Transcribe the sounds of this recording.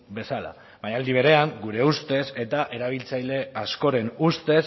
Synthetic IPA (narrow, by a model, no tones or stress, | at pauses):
be̞sala̰ | βaɲald̪iβ̞e̞ɾe̞aŋɡuɾe̞ust̪e̞se̞t̪aʔe̞ɾaβ̞ilt͡sajle̞asko̞ɾe̞nust̪e̞s